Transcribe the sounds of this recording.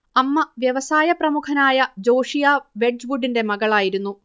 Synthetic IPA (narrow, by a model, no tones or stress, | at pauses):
ɐmːɐʋjɐʋɐsaːjɐprɐmukʰɐnaːjɐd͡ʑo̞ːʂijaʋe̞ɖɖʋuɖinde̞mɐɣɐɭaːjiɾunːu